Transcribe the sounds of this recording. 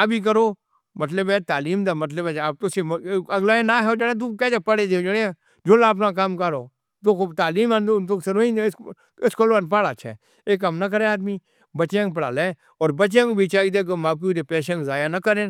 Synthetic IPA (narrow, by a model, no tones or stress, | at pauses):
əbiːk̬əɾoː | mət̪ləbɛt̪aːliːmd̪aːmət̪̬ləbɛaːp̚t̪ʊseɐɡlaːẽːnaːɦɛoːd͡ʒaɽẽt̪̬ukɛːd͡ʒaːpəɽeːd̪eːd͡ʒaɽe | d͡ʒoːlaːp̬nãːk̬amkəɾoː | t̪oːkot̪aːliːmãnd̪ot̪oːkseɾoĩs | ɪskoːloanpaːɽaːt͡ʃʰɛ̰ː | eːkəmnək̬əɾẽːaːd̪miː | bət͡ʃẽkp̬əɽa̰ːleː | ɔːɾbət͡ʃẽːkobʱiːt͡ʃaːid̪eːk̬omaːp̚kud̪epeːʃə̃nkzaːjaːnəkəɾẽː